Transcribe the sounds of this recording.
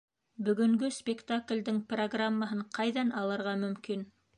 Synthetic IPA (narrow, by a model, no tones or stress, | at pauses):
bɵ̆ɡɵ̆ŋɡɵspʲɪkt̪aklʲd̪ɘŋproɡramːaɦɤɴqʰɑjðɑnɑlˠɤ̆ɾʁɑmɵ̆mkin